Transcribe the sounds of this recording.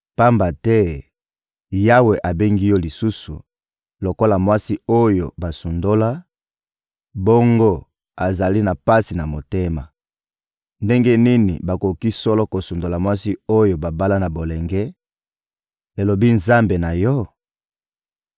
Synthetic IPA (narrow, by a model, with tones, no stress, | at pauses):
pa˦mba˨tɛ˦ | ja˦we˨ʔa˨be˦ŋɡi˦jɔ˦li˨su˦su˨ | lo˨ko˦la˨mwa˦si˦o˦jo̰˨ba˨su˨ndo˦la˦ | bo˦ŋɡo˦ | a˨za˨li˦na˨pa˦si˨na˨mo˨te˦ma˨ | nde˦ŋɡe˦ni˦nḭ˨ba˨ko˨ki˦sɔ˦lɔ˦ko˨su˨ndo˨la˨mwa˦si˦o˦jo˨ba˨ba˦la˦na˨bo˨lɛ˨ŋɡɛ˦ | e˨lo˨bi˦nza˦mbe˨na˨jɔ˦